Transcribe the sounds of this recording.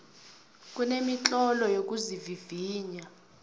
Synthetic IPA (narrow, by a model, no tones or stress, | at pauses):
k̬ʼunemit͡ɬʼɔlɔjok̬ʼuziviviːɲa